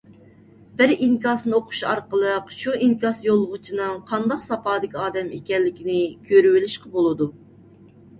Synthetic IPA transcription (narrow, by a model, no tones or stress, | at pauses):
b̥ɪɾiŋkɑsnɨoqʰʊ̥ʃɑ̰ɾqəlˠəqʃuiŋkɑsjolˠʁʊt͡ʃʰinɨŋqʰɑnd̪ɑqsɑpɑːd̪ɪkʲiɑːd̪ɛmekʲɛnlːɪkʲinɪkʲʰøɾywɪlɪʃqɑbolˠɨd̪u